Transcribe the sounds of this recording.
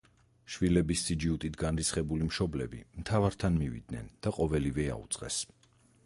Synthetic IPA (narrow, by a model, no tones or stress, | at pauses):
ʃvilɛbisːid͡ʒiut̪ʼit̪ʰɡanɾit̪sχɛbulimʃɔblɛ̰bḭmt̪ʰavaɾt̪ʰanmivḭd̪nɛnd̪̥aqʼɔvɛlivɛa̰ṵt̪sʼqʼɛ̰s